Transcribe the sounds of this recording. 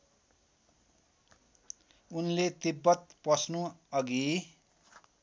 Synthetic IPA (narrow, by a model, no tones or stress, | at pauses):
unlet̪ibːʌt̪̚pʌsnuʌɡi